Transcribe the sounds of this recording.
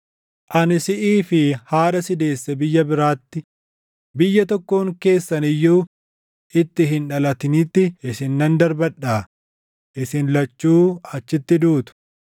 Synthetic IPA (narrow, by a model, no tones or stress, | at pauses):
ʔɐnɪsɪʔiːfɪhaːᶑɐsɪd̪e̞ːsːɛbɪjːɐbɪɾaːt̪ːɪ | bɪjːɐt̪ɔkːoːŋke̞ːsːɐnɪjːuː | ʔɪt̪ːɪɦɪnᶑɐlɐt̪ɪniːt̪ːɪɪsɪnːɐnd̪ɐɾbɐᶑːaː | ʔɪsɪnlɐt͡ʃːuːɐt͡ʃːɪt̪ːɪd̪uːt̪ʊ̥